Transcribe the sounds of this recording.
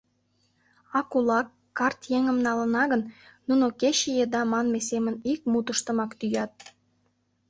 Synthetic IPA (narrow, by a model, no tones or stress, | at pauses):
ɑkulɑkːɑrt̪jeŋə̆mnɑlə̆nɑɣənnunokeɕijed̪ɑmɑnmesemə̆nik̚mut̪əʃt̪ə̆mɑkt̪yjɑt̪̚